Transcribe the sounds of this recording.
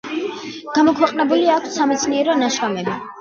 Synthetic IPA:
ɡ̥amɔkʰwɛqʼnɛbuliakʰsːamɛt̪sʰniɛɾɔnaʃkamɛbi

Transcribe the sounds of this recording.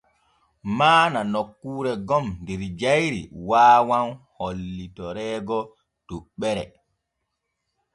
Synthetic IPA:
maːnanokːuːɾɛɡɔmndiɾd͡ʒajɾḭwaːwanholːitɔɾɛːɡɔ | d̥uɓːɛɾɛ̰

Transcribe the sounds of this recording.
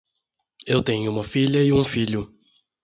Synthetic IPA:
ewt̪ẽɲʊũmɐfiʎɐɪũfiʎʊ

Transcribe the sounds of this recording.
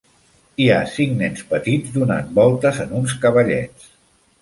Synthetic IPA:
iasiŋnɛnspət̪id͡zd̪una̰nbɔlˠt̪əzənuns̬kəβəʎɛ̰t͡s

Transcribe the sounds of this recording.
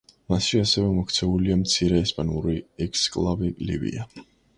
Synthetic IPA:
masʃiasɛvɛmɔk̚ʰt̪sʰɛuliamt̪sʰiɾɛːspʼanuɾiɛkskʼlˠabilḭbḭa

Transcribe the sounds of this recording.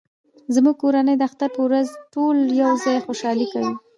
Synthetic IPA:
zmuɡ̚koɾanəjd̪əaxt̪aɾpəwɾazʈoljawzɑjxoʃɑlikawi

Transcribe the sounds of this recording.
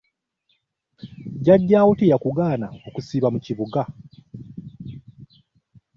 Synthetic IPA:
ɟaɟːaːwutijakuɡaːnaokusiːβamuciβuɡa

